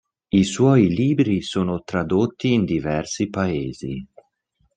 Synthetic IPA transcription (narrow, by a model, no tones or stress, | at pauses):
iswɔjliːbɾisoːnot̪ɾad̪ot̪ːiːnd̪ivɛrsipaeːzi